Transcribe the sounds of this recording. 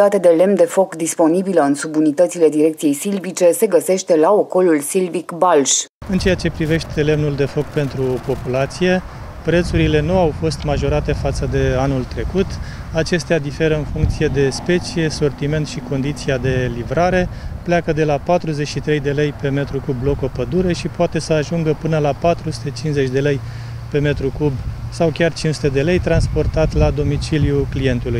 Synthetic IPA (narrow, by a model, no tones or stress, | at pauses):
at̪ed̪e̞le̞mnd̪e̞fo̞kd̪ispo̞nibiləɨnsubunit̪ət̪sile̞d̪iɾekt̪sije̞jsilvit͡ʃe̞se̞ɡəse̞ʃt̪e̞laoko̞lulsilvikbalʃɨnt͡ʃe̞jat͡ʃe̞pɾive̞ʃt̪e̞le̞mnuld̪e̞fo̞kpe̞nt̪ɾupo̞pulat̪sije̞ | pɾe̞t̪suɾile̞nuawfo̞st̪maʒo̞ɾat̪e̞fat̪səd̪e̞anult̪ɾe̞kut̪at͡ʃe̞st̪ead̪ife̞ɾəɨnfuŋkt̪sije̞d̪e̞spe̞t͡ʃije̞so̞rt̪ime̞nt̪ʃiko̞nd̪it̪siad̪e̞livɾaɾe̞pleakəd̪e̞lapat̪ɾuze̞t͡ʃʃit̪ɾe̞jd̪e̞le̞jpe̞me̞t̪ɾukublo̞ko̞pəd̪uɾe̞ʃipoat̪e̞səaʒuŋɡəpɨnəlapat̪ɾusu̥t̪e̞t͡ʃinze̞t͡ʃʲd̪e̞le̞j | pe̞me̞t̪ɾukubsawkʲart͡ʃinsu̥t̪e̞d̪e̞le̞jt̪ɾans̬po̞rt̪at̪lad̪o̞mit͡ʃiljuklije̞nt̪uluj